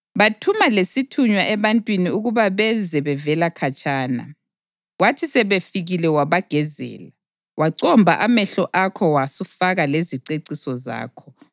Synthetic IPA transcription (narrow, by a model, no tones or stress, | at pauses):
βatʰumalesitʰuɲwaʔɛβantʼwiniuɣuβaβɛzɛβɛvɛlakʰat͡ʃʼaːna̰ | watʰisɛβefiɣilɛwaβaɡ̥ʱɛzɛ̰ːla | waǀɔmbʱa̰ʔamɛɬɔʔakʰɔwasufaɣaleziǀeǀisɔza̰ːkʰɔ̥